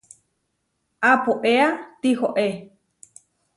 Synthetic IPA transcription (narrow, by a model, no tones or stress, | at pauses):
ʔapoʔeat̪ihoʔe